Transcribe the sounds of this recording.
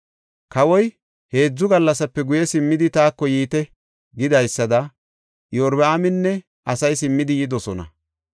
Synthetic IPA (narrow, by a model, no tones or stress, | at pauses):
kɐwɔj | he̞ːd͡zːʊɡɐlːɐsɐpːɛɡʊjɛsɪmːɪd̪ɪt̪aːkːɔjiːt̪ɛ | ɡɪd̪ɐjsːɐd̪ɐ | jɔɾbaːmɪnːɛ | ʔɐsɐjsɪmːɪd̪ɪjɪd̪ɔsɔnɐ̰